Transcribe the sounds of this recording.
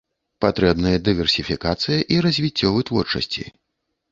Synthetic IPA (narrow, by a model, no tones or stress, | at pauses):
pat̪ɾɛbnɨjɐd̪ɨvʲɛrsʲifʲikat̪sɨjɐʔiɾɐzʲvʲit͡sʲːɔvɨt̪vɔrt͡ʂɐ̰sʲt͡sʲḭ